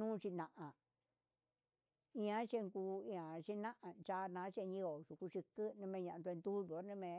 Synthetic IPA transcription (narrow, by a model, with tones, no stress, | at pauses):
ũː˦˧t͡ʃi˧nã˨ʔã˨ | ĩ˧ã˦t͡ʃe˦˧ŋkuː˧˦ĩ˧ã˨t͡ʃi˦nã˦ʔã˨nt͡ʃa˧˦nã˧˦ʃe˦˧ɲĩ˦o˨ʐu˨ku˧ʂi˧kɨ˦nɨ̃˧mẽ˧ɲã˨ʔ̪d̪u˧nd̪u˦ðu˨˦nẽ˦˧mẽ˧